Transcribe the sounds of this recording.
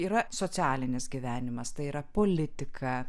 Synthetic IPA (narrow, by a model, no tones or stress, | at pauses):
iːɾɐsoːt͡s̪ʲæːlʲɪnʲɪsɡʲiʋʲæːnʲɪmɐst̪ɐɪiːɾɐpoːlʲɪt̪ʲɪkʰɐ